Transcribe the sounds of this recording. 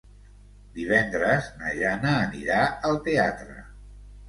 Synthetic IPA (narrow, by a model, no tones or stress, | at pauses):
d̪iβ̞ɛnd̪ɾəznə̰ʒanəːnḭɾaəlˠt̪eat̪ɾə̰